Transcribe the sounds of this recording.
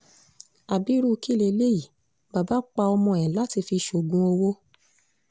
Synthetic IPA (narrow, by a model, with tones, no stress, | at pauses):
a˨bi˨˦ɾu˦˧ki˦˨le˧˦le˦ji˨ | ba˨ba˨˦k͡pa˧ɔ˧mɔ̃˧˨ɛ̃˨la˨˦ti˧fi˧ʃo˨ɡũ˨˦o˧wo˦